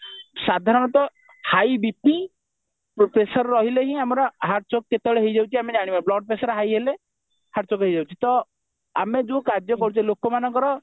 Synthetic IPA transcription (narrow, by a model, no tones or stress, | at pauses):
sad̪ʱaɾɔɽ̃ɔt̪ɔ | hajbipi | popɾesɔɾɾɔɦileɦĩamɔɾɔɦaɾt͡ʃokkːet̪ɔɭeɦejd͡ʒawt͡ʃʰiamed͡ʒaɽ̃ibablɔɖ̚pɾesɔɾɦajɦele | haɾt͡ʃokɦejd͡ʒawt͡ʃʰit̪ɔ | amed͡ʒukaɾd͡ʒjɔkɔɾut͡ʃʰɔlokɔmanɔ̃ŋkɔɾɔ